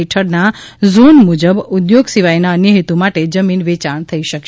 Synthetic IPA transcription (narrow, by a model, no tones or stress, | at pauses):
iʈʰəɾnazonmud͡ʒəbud̪joɡsiʋajnanjəɦit̪umaʈed͡ʒəminʋet͡ʃaɳ̃t̪ʰəiʃəkʃ